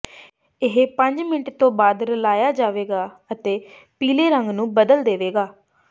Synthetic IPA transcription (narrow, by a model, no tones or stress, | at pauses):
ɪɦpəɲd͡ʒmɪnəʈt̪õːbaːd̪ɾəlaːjaːd͡ʒaːʋeːɡaːət̪eː | piːleːɾəŋɡnũːbəd̪əld̪eːʋeːɡaː